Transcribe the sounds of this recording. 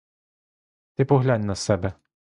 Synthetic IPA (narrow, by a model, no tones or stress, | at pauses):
t̪ɪpɔɣlʲanʲnɐsɛbɛ